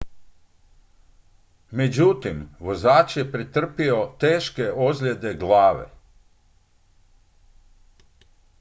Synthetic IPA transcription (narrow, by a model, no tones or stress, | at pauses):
med͡ʒut̪imʋozaːt͡ʃjepɾit̪r̩piot̪eːʃkeʔozlʲe̞d̪eɡlaːʋḛ